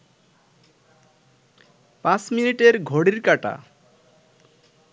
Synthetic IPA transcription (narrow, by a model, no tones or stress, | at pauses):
pãsminiʈeɾɡʱoɽiɾkaʈa̰